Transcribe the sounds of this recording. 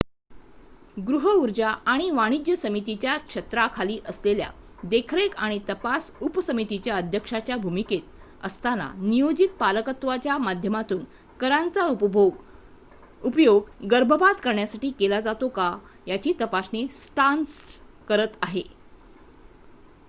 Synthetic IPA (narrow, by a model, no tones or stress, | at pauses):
ɡɾuɦəuɾd͡ʑaʔaɽ̃iʋaɽ̃id͡ʑjəsəmit̪it͡ɕjakʂət̪ɾakʰaliːʔəslelja̰ | d̪ekʰɾekaɽ̃it̪əpasupsəmit̪it͡ɕjaəd̪ʱjəkʂat͡ɕjabʱumiket̪̚ | ə̰st̪ana̰nijod͡ʑit̪̚paləkət̪ʋat͡ɕjamad̪ʱjəmat̪uːn | kəɾant͡sa | upjoɡɡəɾbʱəbat̪kəɾɳjasaʈiːkelad͡zat̪oka | jat͡ɕiːt̪əpasnesʈans | kəɾət̪aɦe